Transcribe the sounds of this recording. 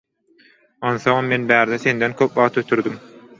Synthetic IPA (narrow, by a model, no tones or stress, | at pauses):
ɑnθoŋmme̞nbæːɾd̪eθe̞nd̪enkʲʰøpʋɑʁt̪ʰøt̪ʰyɾd̪ym